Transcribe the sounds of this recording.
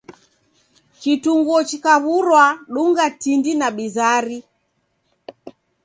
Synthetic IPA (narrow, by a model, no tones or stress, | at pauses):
kituŋɡɔt͡ʃikaβuɾwaɗuŋɡatindinaɓizaɾi